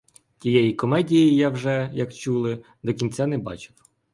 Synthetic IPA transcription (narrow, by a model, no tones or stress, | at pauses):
tʲijɛjikɔmɛdʲijijawʒɛjɐkt͡ʃulˠɪ | d̪ɔkʲinʲt͡sʲanɛbɑ̰t͡ʃɪ̥w